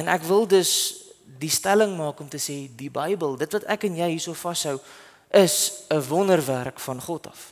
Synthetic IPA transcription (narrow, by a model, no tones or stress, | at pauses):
ɛnækvəlˠdəsdistæləŋmɑːkɔmtəseːdibəjbəlˠdətvɐtækənjəjɦiːsofɐsɦœw | ʔəsəvɔnərværkfɐnχɔtɐ̥̰f